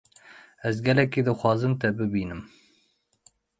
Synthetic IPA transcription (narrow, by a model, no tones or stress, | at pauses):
ɛzɡɛlɛkiːd̪ɨxʷɑːzɨmt̪ɛbɨbiːnɨm